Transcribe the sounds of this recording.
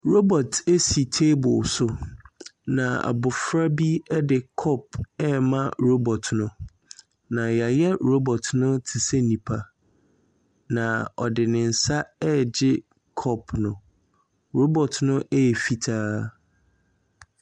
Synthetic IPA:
ɾo˦bɔ˨tʰe˦si˨tʰe˦bʊ˨sʊ˨ | nã˨a̰˨bʊ˨fɾa˦bi˦ɛ˦dɪ˨kʰɔ˦p̚ɛ˦˨mã˦ɾo˦bɔ˨tʰnʊ̃˦ | nã˨ja˨jɛ˦ɾo˦bɔ˨tʰnʊ̃˦tʰi˨sɛ˦nĩ˨pʰa˦˨ | nã˨ɔ̰˨dɪ˨nɪ̃˨n̩˨sa˦ɛ˦d͡ʑɪ˦ | kʰɔ˦pʰnʊ̃˨ | ɾo˦bɔ˨tnʊ̃˦ʔɛ˦ɛ˨fi˨tʰaː˦

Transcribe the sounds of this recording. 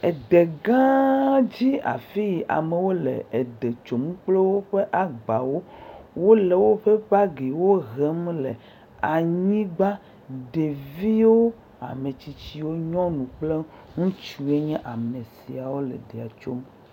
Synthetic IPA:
ɛ˨d̪e˨ɡã˦d͡ʑi˦a̰˨fi˦ji˨ʔa̰˨me˨wo˦lḛ˨e˨d̪e˨t͡ʃo˨m˦k͡ple˦wo˦ɸe˦ʔa˨ɡ͡ba˨wo˦wo˦le˨wo˦ɸe˦ɸa˦ɡe˨wo˦ɣɛ˦m˦le˨ | a˨ɲĩ˦ɡ͡ba˦ | ɖe˨vi˦wo˦ | a̰˨me˨t͡ɕi˨t͡ɕi˦wo˦ɲɔ̃˦nũ˨k͡ple˦ | ŋũ˦t͡ʃu˨e˦ɲɛ̃˦ʔa˨mẽ˨si˨a˨wo˦lɛ̰˨ɖe˨a˨t͡ʃo˦m

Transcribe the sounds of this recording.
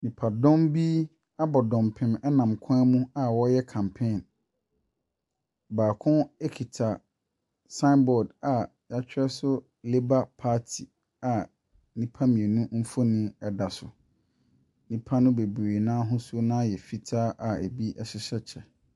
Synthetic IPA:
mĩ˨pʰa˨dɔ̃˦mbi˦ | a˦bɔ˨dɔ̃˨mpʰɪ̃˦mɛ˦nã˨mkʰʊ̃˦ɛ˦mũ˦a˨wɔ˦jɛ˦kʰã˨mpʰẽ˦˨n | baː˨kʰʊ̃˦ɛ˦kʰi˨tʰa˨ | sã˦nbɔ˨da˨ | ja˦t͡ɕᶣɾɛ˦sʊ˦ | le˦ba˦pʰaː˦tʰi˨ | a˨ | nĩ˦pʰa˦mĩ˨e˨nũ˦m̩˦fo˦nĩ˦ɛ˦da˨sʊ˨ | nĩ˦pʰa˦nʊ̃˦be˨bɾeː˨nãː˦ɦʊ̃˦su˦nãː˦jɛ˨fi˦tʰaː˦ʔa˨æ˨bi˦ʔɛ˦ɕɪ˦ɕɛ˦t͡ɕʰɛ˨

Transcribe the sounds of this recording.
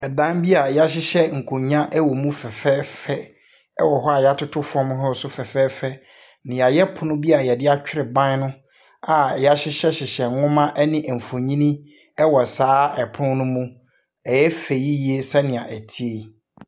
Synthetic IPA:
ɛ˨dã˦nbi˦a˨ja˦ɕ̬ɪ˦ɕɛ˦ŋ̩˨kʰõ˨ɲã˦ʔɛ˦wɔ˨mũ˦fɛ˨fɛː˦fɛ˦ | ɛ̰˦wɔ˨ɦɔ˦a˨ja˦tʰʊ˦tʰʊ˦fɔ̃˦m˦ɦɔ˦sʊ˦fɛ˨fɛː˦fɛ˦ | nɪ̃˨ja˨jɛ˦pʰʊ˨nʊ̃˦bi˦a˨jɛ˨dɪ˦a˦t͡ɕᶣɪ˦ɾɪ˨bã˦n˦nʊ̃˦ | a˨ja˦ɕɪ˦ɕɛ˦ɕɪ˨ɕɛ˨˦ŋʊ̃˦mã˦ʔɛ˦nɪ̃˦ʔm̩˨fo˨ɲĩ˦nĩ˦ | ɛ˦wɔ˨saː˦ɛ˨pʰʊ̃˦nʊ̃˦mũ˦ | ɛ˨jɛ˦fe˨ji˦ji˨˦e˦sɛ˦nɪ̃˨a˨ʔæ˨tʰi˦e˨

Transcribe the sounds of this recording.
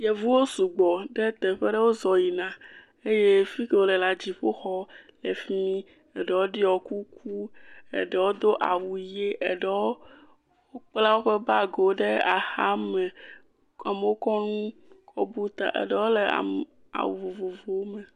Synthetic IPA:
je˨vu˦wo˦su˨ɡ͡bɔ˨ɖɛ˦t̪ɛ˨ɸɛ˦ɖe˦wo˦zɔ˨ji˨nã˨ | e˦je˦fi˦ke˦wo˦lɛ˨la˨d͡ʑi˨ɸo˦xɔ˦le˨fi˦mĩ˦ | ɛ˨ɖɛ˨wo˦ɖi˦ɔ˨ku˦kʰu˦ḛ˨ɖɛ˨wo˦d̪o˦ʔa̰˨wu˨je˦ʔe˨ɖɛ˦wo˦ | wo˦k͡pla˦wo˦ɸe˦ba˦ɡo˨ɖe˦a˨xa˦mɛ˨ | a˨me˨wo˦kɔ˦nũ˦kɔ̰˦bu˦t̪a̰˨ʔḛ˨ɖɛ˦wo˦le˨a̰˨ | a̰˨wu˨vo˨vo˨vo˨o˦me˨

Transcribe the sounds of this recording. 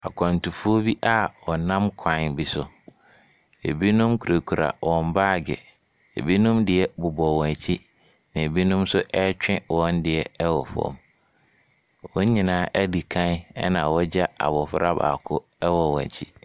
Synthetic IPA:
a˨kʷʰã˨n˨tu˨fu˦o˦bi˦ʔa˦wɔ˨nã˦mkʰã˨nbi˦sʊ˨ | ḛ˨bi˦nũ˦mkʰu˨ɾa˨kʰu˨ɾa̰˨wɔ̃˨m˦baː˦˨ɡɛ̰˨ | ḛ˨bi˦nũ˦mdɪ˨ɛ˦bʊ˨bɔ˨wɔ̃˨t͡ɕʰi˦ | nã˨e˨bi˦nũ˦msʊ˦ʔɛ˦t͡ɕᶣɪ̃˦wɔ̃˦ndɪ˨ɛ˨ɛ˦wɔ˨fɔ̰̃˦˨m | wɔ˦ɲĩ˨nãː˨˦ʔɛ˦di˨kʰã˦n˦ɛ˦nã˨wɔ˦d͡ʑa˦a̰˨bɔ˨fʊ˦ɾa˦ba̰ː˨kʰʊ˦ | ɛ˦wɔ˨wɔ̰̃˨t͡ɕʰi˦

